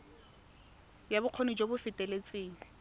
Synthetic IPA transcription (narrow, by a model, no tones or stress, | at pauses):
jabʊq͡χʰonid͡ʒobʊfɪtʼelet͡sʼeːŋ̩